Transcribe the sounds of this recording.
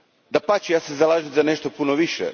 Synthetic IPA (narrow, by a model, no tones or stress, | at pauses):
d̪apat͡ʃijaːsezalˠaːʒizane̞ʃt̪opunoʋiʃɛ̰